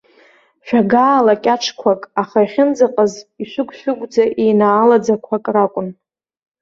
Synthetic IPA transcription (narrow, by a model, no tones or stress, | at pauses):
ʃᶣaɡaːlakʲʼaʈ͡ʂʰkʷʰakʼaχaiχʲɪnd͡zaqʼəziʃʷʊɡʷʰʼʃᶣʊɡʷd͡zaʔejnaːlad͡zakʷʰakʼrakʷʼʊn